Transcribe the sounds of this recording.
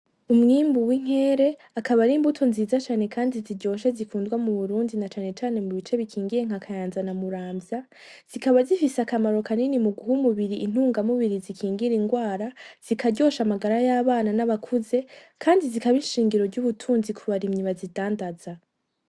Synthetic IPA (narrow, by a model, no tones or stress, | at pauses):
umŋiːmbuwiŋ̥he̞ːɾe̞ | akaβaɾiːmbutʰo̞nziːzat͡ʃaːne̞kaːndiziɟo̞ːʃezikuːndɡwamuβuɾuːndinat͡ʃaːne̞t͡ʃaːne̞muβit͡ʃe̞βikʰiːŋɡiɾe̞ŋ̥hakʰajaːnzanamuɾaːmbja | z̥ikaβazifiseakamaɾo̞kaninimuɡuɦumuβiɾiʔːn̥huːŋɡamuβiɾizikʰiːŋɡiɾiŋɡwaːɾaz̥ikʰaɟo̞ʃamaɡaɾajaβaːnanaβakʰuze̞kʰaːndizikaβiʃiːŋɡiɾo̞ɾɟuβutʰuːnzikʰuβaɾimɲiβazidaːndaza